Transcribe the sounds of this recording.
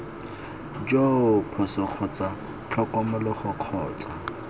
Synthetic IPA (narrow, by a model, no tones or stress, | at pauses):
d͡ʒopʰɔsɔk͡xʰɔt͡sa | t͡ɬʰɔkɔmʊlɔχʊq͡χʰɔːt͡sʼa